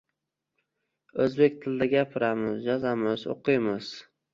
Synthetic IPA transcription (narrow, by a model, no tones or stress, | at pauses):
ɵzbe̞k̚ʲt̪ʰɪld̪aɡʲapʰɪɾamɪzd͡ʒɒzamɪzo̰qʰɨjmɪz̥